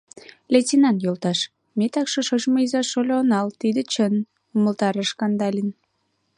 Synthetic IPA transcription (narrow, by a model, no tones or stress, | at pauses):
lʲetʲinɑnjolt̪ɑʃ | met̪ɑkʃoʃoʒmoizɑʃolʲoonɑlt̪id̪ə̆t͡ɕən | uməlt̪ɑɾəʃkɑnd̪ɑlʲin